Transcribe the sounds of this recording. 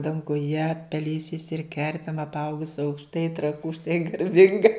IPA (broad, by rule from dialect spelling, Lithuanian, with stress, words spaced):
dɐŋɡʊˈjɛ pʲɛˈlʲeːsʲɛɪs ɪr ˈkʲɛrʲpʲeːm ɐpˈɐʊɡʊs ɐʊkʃˈtɐɪ trɐˈkuː ʃtɐɪ ɡɐrʲˈbʲɪŋɡɐ